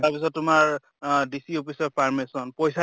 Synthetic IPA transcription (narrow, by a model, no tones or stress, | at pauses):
taɹpis̬ɔtːʊmaɹ | disiopʰisɔɹpʰaɹmesɔnpojsa